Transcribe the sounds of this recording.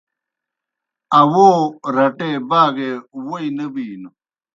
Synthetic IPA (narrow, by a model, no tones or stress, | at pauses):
ɐwoːɾɐʈebaːɡewoinɐbiːnu